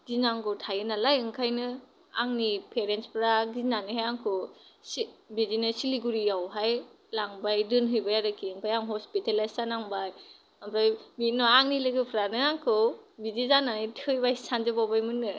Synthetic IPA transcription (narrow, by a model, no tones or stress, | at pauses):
ɡinaŋkɯtʰajɯnalajɯŋkʰajnɯ | aŋnipʰeɾenspʰɾaɡinaniɦajaŋkʰɯsibizinɯsiliɡuɾijawɦaj | laŋbajdɯnɦɯjbajaɾɯkʰiɯŋpʰajaŋɦɔspitelajsanaŋbaj | amɾajmit̚nɔaŋnilɯɡɯpʰɾanɯaŋkʰɯbidizananɯtʰhɯjbajsand͡ʒɯbawbajmɯnːɯ